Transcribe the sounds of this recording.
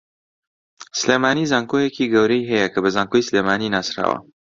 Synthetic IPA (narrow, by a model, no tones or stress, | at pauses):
sɨleːmaːniːzaːŋkojekiɡɐwɾɐjɦɛjɐkʰɐbɐzaːŋkojsleːmaːninaːsɾa̰ːwɐ̰